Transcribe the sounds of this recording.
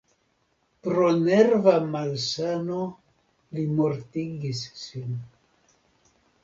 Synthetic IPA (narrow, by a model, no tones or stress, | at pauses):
pɾo̞ne̞ɾvamalsano̞ | limo̞ɾtiɡisːin